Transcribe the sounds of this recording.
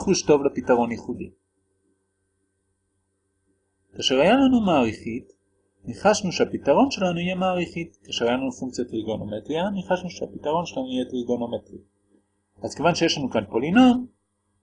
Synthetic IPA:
χuʃto̞vlepitaʁo̞njiχudḭ | kaʃeʁhajalanumaːʁiχit | niχaʃnuʃeapitaʁo̞nʃe̞lanuije̞maːʁiχitkaːʃeʁajalanufuŋk̚t͡sjatʁiɡonometʁianiχaʃnuʃeapitaʁo̞nʃelanuijetʁiɡonometʁi | ʔazkevanʃeje̞ʃlanukanpo̞lino̞n

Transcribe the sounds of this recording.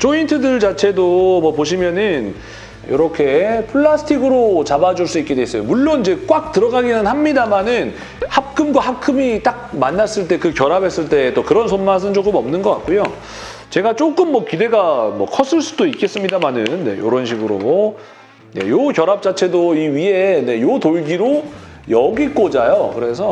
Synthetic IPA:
t͡ɕʰointʰɯdɯɭt͡ɕat͡ɕʰe̞domʌpoɕ̬ʰimjʌnɯn | jo̰ɾʌkʰe̞pʰɯɭːasʰɯ̥tʰiɡɯɾot͡ɕabad͡ʑuɭs͈uik͈edwees͈ʌjomuɭːonid͡ʑe̞k͈wak̚tɯɾʌɡaɡinɯnhamɲidamanɯn | hak͈ʰɯmɡwaɦakʰɯmit͈ak̚manːas͈ɯɭt͈e̞kɯkjʌɾabʱe̞s͈ɯɭt͈e̞t͈okɯɾʌnsʰonmas̬ʰɯnt͡ɕok͈ɯmʌmnɯnɡʌk͈a̰t̚k͈ojo | t͡ɕe̞ɡat͡ɕ͈ok͈ɯmːʌkide̞ɡamʌkʰʌs͈ɯɭs͈udoik͈e̞s͈ɯmɲidamanɯnːe̞̰joɾʌnɕʰiɡɯɾo | ne̞̰jokjʌɾap̚t͡ɕ͈at͡ɕʰe̞doiɥiɦe̞ne̞jotoɭɡiɾo | jʌɡik͈od͡ʑajokɯɾe̞s̬ʰʌ

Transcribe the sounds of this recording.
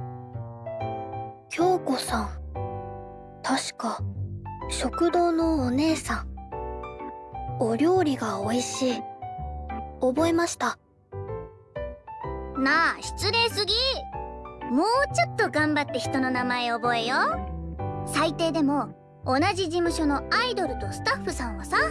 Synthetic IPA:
kʲo̞ːko̞sãŋ | t̪ʰaɕi̥ka | ɕo̞kɯ̟d̪o̞ːnoːne̞ːsãŋ | oɾʲo̞ːɾʲiɡaoiɕiː | obo̞e̞maɕi̥t̪a | naɕi̥t͡sɨɾe̞ːsɨɡʲi | mo̞ːt͡ɕo̞t̪ːo̞ɡãmbat̪ːe̞çi̥t̪o̞no̞namae̞obo̞e̞jo | sait̪e̞ːd̪e̞mo̞ː | naʑiʑimɯ̟ɕo̞no̞aid̪o̞ɾɯ̟t̪o̞sɨ̥t̪aɸːɯ̟sãɰ̃βasa

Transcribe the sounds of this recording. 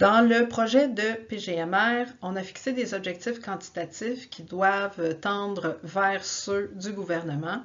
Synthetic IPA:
d̪̥ɑ̃ləpχɔʒɛd̪əpeʒeɛmɛːʁɔ̃nafi̥ksed̪ezɔbʒɛk̚t̪ɪfkɑ̃t̪i̥t̪at̪ɪfkʲid̪wavt̪ɑ̃ːd̪ʁəvɛːʁsød̪yɡuvɛʁnəmɑ̃

